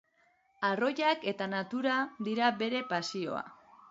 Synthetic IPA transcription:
aro̞jake̞t̪anat̪uɾad̪iɾaβe̞ɾe̞pasio̞̰a̰

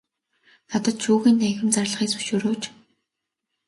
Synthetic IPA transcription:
nat̪ə̆t̪ʃuːɣiːnːæɣʲɪ̆mt͡sarɮχiːkt͡sɵ̥ʃuːɾoːt͡ɕ

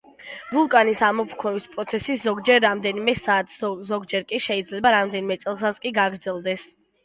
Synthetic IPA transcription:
vulˠkʼanisamɔpʰkʰɾɛvispʼɾɔt̪sʰɛsiszɔɡd͡ʒɛɾːamd̪ɛnimɛsaːt̪ʰzɔɡd͡ʒɛɾkʼiʃɛid̪zlɛbaɾamd̪ɛnimɛt̪sʼɛlˠs̬askʼiɡaɡɾd̪zɛlˠd̪ɛs

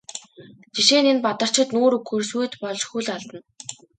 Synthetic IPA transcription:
t͡ɕiʃeːnenpat̪ə̆r̥t͡ɕʰɪ̆t̪noːɾuɡɵrsujt̪pɔɮt͡ɕxuɮɔɮt̪ə̆n

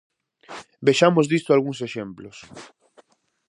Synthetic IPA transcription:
beʃamozðist̪oalɣuŋseʃemplos

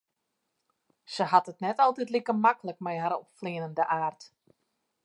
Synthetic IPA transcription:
səɦatətnɛtɔlˠtɛtlikəmakələk̚mɛjɦaɾɔpfliənəndəʔaːrt

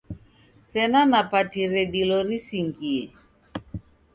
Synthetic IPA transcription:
sɛnanapatiɾɛɗilɔɾisiŋɡiɛ

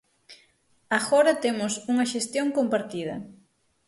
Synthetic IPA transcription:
aɣɔɾɐt̪emʊsuŋɐʃest̪joŋkompaɾt̪ið̞ɐ̰

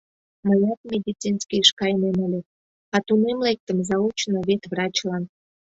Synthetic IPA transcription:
məjɑt̪̚mʲed̪ʲit͡sinskiʃkɑjnemolʲe | ɑt̪unemlek̚t̪əmzɑut͡ɕnoβet̪βrɑt͡ɕlɑn

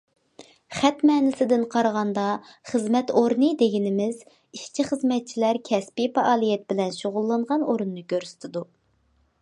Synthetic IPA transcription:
χæt̪mɛːnɪsɪd̪ɪnqʰɑɾʁɑnd̪ɑχəzmɛt̪oɾnɨd̪eɡʲinɪmɪz | iʃt͡ʃʰiχəzmɛt̪̚t͡ʃʰilæɾkʲʰɛspifɑʔɑːlˠijɛt̪̚bɪlɛnʃoʁʊlˠːɑɴʁɑnoɾunːɨkʲøɾsɪ̥t̪ʰɪd̪u

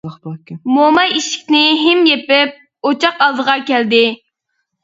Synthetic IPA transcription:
momɑjiʃɪ̥kʲnɪɦɪmjepɪp̚ | ot͡ʃʰɑqɑlˠd̪əʁɑkʲɛld̪ɪ

